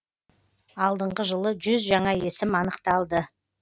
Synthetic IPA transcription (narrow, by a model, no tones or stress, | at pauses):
ɑlˠd̪əɴʁəʒəlˠəʒʏzʒɑɴɑe̞sɪmɑnəqt̪ɑlˠd̪ə